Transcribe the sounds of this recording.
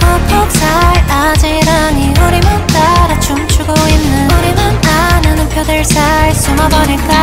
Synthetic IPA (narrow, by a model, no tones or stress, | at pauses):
popʰok̚s͈ʰaɭad͡ʑeɾaŋioɾimont͈aɾat͡ɕomt͡ɕʰuɡoinːɯnoɾimɯnanɯnpʰjodɯɭsʰaɭs͈umabʌɲiɭk͈a